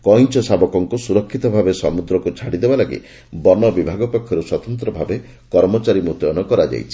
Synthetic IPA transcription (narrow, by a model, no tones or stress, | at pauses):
kɔjnt͡ʃɔsabɔkɔŋkusuɾɔkʰːit̪ɔbʱabesɔmud̪ɾɔkut͡ʃʰaɽid̪ebalaɡḭ | bɔnɔbibʱaɡɔpɔkʰːjɔɾuswɔt̪ɔnt̪ɾɔbʱabe | kɔɾmɔt͡ʃaɾimut̪jɔnɔkɔɾad͡ʒa̰jt͡ʃʰi̥